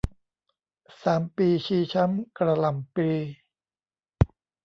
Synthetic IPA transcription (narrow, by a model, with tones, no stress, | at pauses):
saː˩˦mpiː˧t͡ɕʰiː˧t͡ɕʰa˦˥mkɾa˧la˨˩mpiː˧